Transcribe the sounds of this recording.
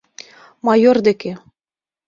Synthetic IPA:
mɑjord̪ĕkĕ

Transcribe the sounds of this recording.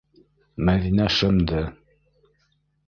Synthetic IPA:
mæðinæʃɘ̆md̪ɘ

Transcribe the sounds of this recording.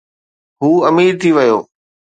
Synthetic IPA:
ɦuːɐmiːɾt̪ʰiʋəjo̰ː

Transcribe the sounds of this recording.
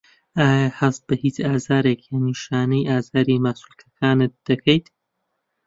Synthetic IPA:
aːjahɐs̚bɐhiːt͡ʃaːzaːɾeːkʰjaniʃaːnɐjʔaːzaːɾimasulkʰɐkʰaːnɨt̪̚d̪̥ɐkʰɐjt̪

